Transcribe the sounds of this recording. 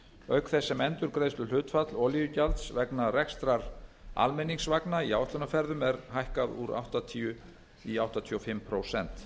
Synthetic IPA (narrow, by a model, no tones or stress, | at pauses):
œɥkθɛsːɛmɛnt̪ʏɾ̥kɾeːjst̪ʏl̥ʏːt̪fat̪lɔlijʏcalt̪svɛknarɛkst̪ɾaɾa̰lmɛniŋsvaknaiawt̪ʏnafɛɾðʏmɛɾɦajhkaðuɾa̰wht̪at̪ʰiːʏ | iawht̪at̪ʰiɔfɪmpʰɾowsɛnt̪